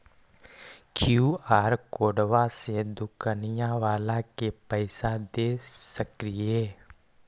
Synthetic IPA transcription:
kʰjuːaːɾkoːɖʋased̪ʊkanɪjãʋaːlãkepəɪsad̪eːsəkɾɪjeː

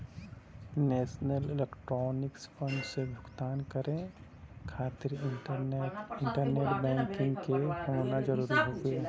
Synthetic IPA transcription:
nɛːsnəlɪlekʈɾɔːnɪkspʰə̃nɖsebʱʊɡt̪aːnkəɾẽkʰaːt̪ɪɾ | ɪɳʈəɾneːʈbɛ̃ːŋkɪ̃ŋɡkekooːnad͡ʒəɾuːɾiɦoːɡeː

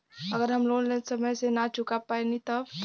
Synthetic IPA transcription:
ɐɡəɾɦɐmlolesɐməjsenat͡ʃʊkapaenit̪ɔ

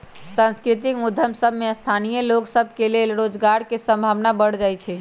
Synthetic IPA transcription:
sãnskɾit̪ikmud̪ʱːəmsəbʱmeəst̪ʰanijəloksəbʱkelelɾod͡ʒɡaɾkesə̃mbʱaʋnabəɽ̤d͡ʒajt͡ʃʰɛ

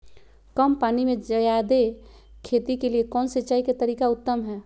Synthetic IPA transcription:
kəmpaːnimẽd͡ʒəjad̪e | kʰeːt̪ikeliekɔːnsəːt͡ʃaːiket̪əɾiːkaʊt̪ːəmɦɛː

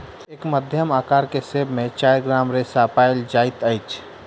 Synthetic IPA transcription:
eːkməd̪ʱjəmaːkaːɾkesebmẽt͡ʃaːjɾɡɾaːmɾesapaːɪld͡ʒaːɪt̪əɪt͡ʃʰ

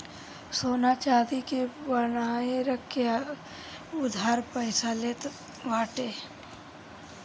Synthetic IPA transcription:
soːnat͡ʃaːd̪ikebənaːeɾəkʰːja | ʊd̪ʱaːɾpəɪsaleːt̪ | ʋaːʈeː

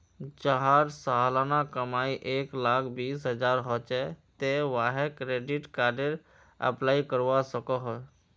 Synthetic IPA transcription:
t͡ʃaɦaɾsaɦalanakəmaːiʔeːklaːkʰbiːsɦəd͡ʒaːɾɦɔt͡ʃɛt̪eʋaɦekɾeɖɪʈkaːɾɖeɾ | ə̰plaːikəɾʋasəkɔɦɔ

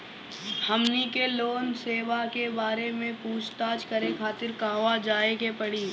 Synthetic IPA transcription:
hɐmnikeloːnseːʋakebaːɾemẽpuːt͡ʃʰt̪aːt͡ʃkɐɾẽkʰaːt̪ɪɾkãːʋad͡ʒaːekepɐɽiː

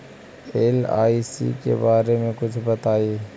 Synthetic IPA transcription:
eːla̰ːisḭkḛbaːɾemẽkʊt͡ʃʰbɐt̪aːiː

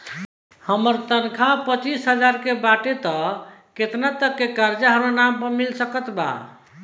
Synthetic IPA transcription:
həməɾt̪ənkʰapət͡ʃisɦəd͡ʒaɾkebaʈet̪ɔket̪nat̪əkːekaɾd͡ʒaɦəɾanampəmilsəkət̪ba̰

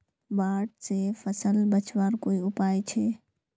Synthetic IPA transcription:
baːʈ̚sefʰəsəlbət͡ʃʋaːɾkoːiʊpaːjt͡ʃʰeː

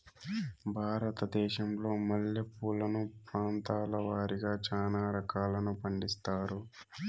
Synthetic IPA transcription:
bʱaːɾɐt̪ɐd̪ɛːʃɐmlo̞ːmɐɭjɐpuːlɐnupɾaːnt̪aːlɐʋaːɾiɡaːt͡ʃaːnaːɾɐkaːlɐnupɐɳɖist̪aːɾu

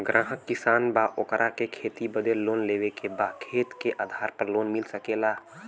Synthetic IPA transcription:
ɡɾʔãːɦəkːɪsaːnbaʔokɾʔakekʰeːt̪ibəd̪eloːnleːʋekebaːkʰeːt̪keʔaːd̪ʱaːɾpəɾloːnmɪlsəkeːlaː

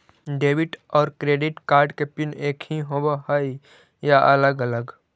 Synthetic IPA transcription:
ɖeːbɪʈɔːɾkɾeːɖɪʈkaːɾɖkepɪneːkʰɦiɦobohəi | jaʔələɡələɡ

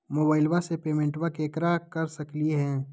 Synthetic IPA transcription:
moːbaːɪlʋasepeːmẽːɳʈʋakeːkɾakɐɾsɐkliɦɛ̃ː

